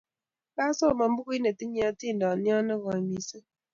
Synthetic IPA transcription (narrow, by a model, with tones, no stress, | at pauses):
ba˦sɔ˦˨ma˨m̩˦bu˦ki˦ne˨ti˦ɲjɔ˦ti˦˨n˨dɔ˨njɔ˦nɛ˦ɣɔ˨i˨mi˨se˦